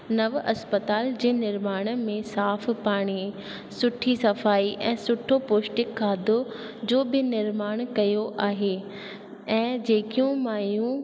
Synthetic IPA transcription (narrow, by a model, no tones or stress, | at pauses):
nɐʋɐspət̪aːld͡ʑeːnɪɾmaːɽ̃ə̆mẽsaːfpaːɽ̃i | sʊʈʰisɐfaːiʔɛ̃ːsʊʈʰopoːʃʈɪkʰːaːd̪ʱo | d͡ʑoːbɪnɪɾmaːɽ̃kɐjoʔaːɦeː | ɛ̃ːd͡ʑeːkijũmaːjũ